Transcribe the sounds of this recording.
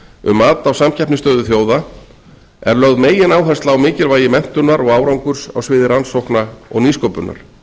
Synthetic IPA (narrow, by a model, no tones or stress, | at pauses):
ʏ̰maːt̪awsamcʰɛhpnɪst̪œːðʏθjoːwða | ɛ̰ɾlœɣðmeːjɪnaːwɦɛst̪laawmɪːcɪlvaːjɪmɛn̥t̪ʏnaɾɔɣaːwɾawŋkʏɾ̥sa̰wsvɪːðɪɾansowhknaɔ̰ɣniːskowpʏnːa̰ɾ̥